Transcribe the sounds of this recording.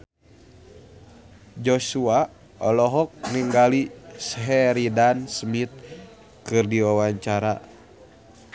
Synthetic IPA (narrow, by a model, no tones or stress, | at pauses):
d͡ʒosua | ɔlɔɦɔk̚niŋɡalisɦɛɾidansmit̪̚ | kɨrdiwawaɲt͡ʃaɾa